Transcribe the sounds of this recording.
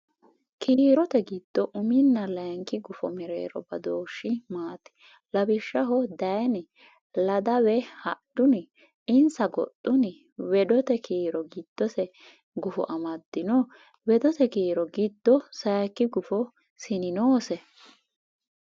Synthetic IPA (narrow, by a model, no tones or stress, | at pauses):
kʰiːɾɔt̪ɛɡɪd̪̥ːɔʔʊmɪnːɐlɐŋkɪɡʊfɔmɪɾḛːɾɔ̰bɐd̪oːʃːɪmaːt̪ɪ̥ | lɐbɪʃːɐɦɔd̪ɐjnɪ | lɐd̪ɐwɛhɐd̥ʊnɪ | ɪnsɐɡɔ̰t̪ʼːʊnɪ | wɛd̪ɔt̪ɛkʰiːɾɔɡɪd̪̥ːɔsɛ | ɡʊfɔ̰ʔɐmɐd̪ːɪnɔ | wɛd̪ɔt̪ɛkiːɾɔɡɪd̪̥ːɔsɐjkːɪɡʊfɔ | sɪnɪnoːsɛ